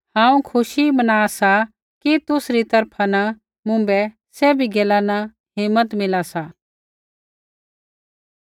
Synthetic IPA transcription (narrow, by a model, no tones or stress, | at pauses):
hãːũkʰʊʃibɐnaːsa | kit̪ʊsɾit̪ɐɾpʰana | mʊ̃mbɛ | sɛbʱiɡeːlana | ɦɪmːət̪mɪlasa